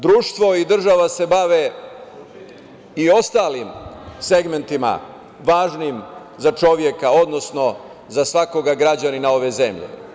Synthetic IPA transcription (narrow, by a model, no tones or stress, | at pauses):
d̪ɾuːʃt̪ʋo̞id̪r̩ʒaʋase̞baʋe | io̞st̪aːlimseɡme̞nt̪ima̰ | ʋaːʒnim | zat͡ʃo̞ʋje̞kaod̪no̞sno̞ | zasʋako̞ɡaɡɾad͡ʑaninao̞ʋe̞zemʎḛ